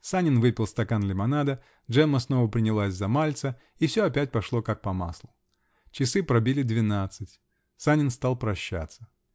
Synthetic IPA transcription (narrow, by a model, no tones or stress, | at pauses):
sanʲɪnvɨpʲɪlˠst̪ɐkanlʲɪmɐnad̪ə | ʐɛmːəsnovəpɾʲɪnʲɪlˠasʲzɐmalʲt̪sə | ifsʲoɐpʲæt̚ʲpɐʂlˠo̞kak̚pɐma̰slˠʊ | t͡ɕɪsɨpɾɐbʲilʲɪd̪vʲɪnat̪sɨtʲ | sanʲɪnst̪alˠpɾɐɕːa̰t̪sə